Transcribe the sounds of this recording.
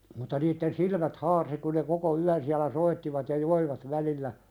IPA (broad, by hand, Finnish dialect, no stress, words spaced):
mutːɑ niːtːen silmæt hɑːrsi ku ne koko yæn siælæ soitːiʋɑt jɑ joiʋɑt ʋælilːæ